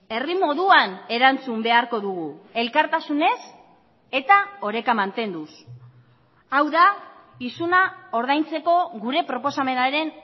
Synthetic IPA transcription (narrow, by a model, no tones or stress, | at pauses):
e̞rimo̞ðuane̞ɾant͡sumbe̞aɾko̞ðuɣ̞ue̞lkaɾt̪asune̞s | e̞t̪ao̞ɾe̞kamant̪e̞nd̪us | awða | isunao̞ɾðajnt͡se̞ko̞ɣuɾe̞pɾo̞po̞same̞naɾe̞n